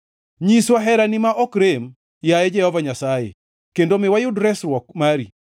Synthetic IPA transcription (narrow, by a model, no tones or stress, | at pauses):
ɲiswaɦɛɾanɪmaʔɔkɾem | jajɛd͡ʒɛhɔvaɲasajḛ | kendomɪwajʊdɾɛsɾwɔkmaɾḭ